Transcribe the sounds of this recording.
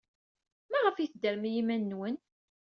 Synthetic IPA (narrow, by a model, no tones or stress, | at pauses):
mæʁəfiθd̪əɾmijimænːwən